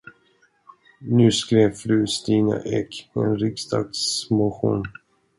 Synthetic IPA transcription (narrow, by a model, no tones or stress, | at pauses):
nʉ̟ːskɾeːvfɾʉːst̪iːna̰ʔɛkpʰɔɛnɾɪkst̪ɑːɡsmʊɧṵːn